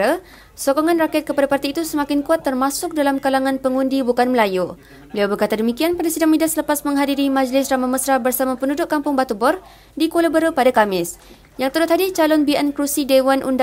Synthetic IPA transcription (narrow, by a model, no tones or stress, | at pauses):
ə | sɔkɔŋãnrakɛt̪̚kəpadapart̪iːt̪usəmãkɪnkuat̪ːərmasʊk̚dalamkalaŋãnpəŋundibukanməlaju | bəliawbərkat̪adəmikianpadasidaŋmĩdasələpasmə̃ŋɦadiɾimãd͡ʒlɪsramaməsɾabərsamãpəndudʊʔkːampʊŋbat̪ubɔr | dikoləbəɾəpadakamɪs | jaŋt̪əɾʊt̪ɦadit͡ʃalɔnbiɛnkɾusidewanʔṵnd